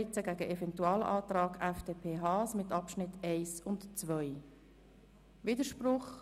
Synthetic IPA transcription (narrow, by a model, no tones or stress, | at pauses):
ɪt͡səɡæːɡəʔevɛntuɑːlʔɑːtrɑːɡɛfd̥eːpʰeːɦɑːsmɪt̪ɑpʃnɪtʰeɪsʊntt͡svœʏ | viːdəʃprʊχ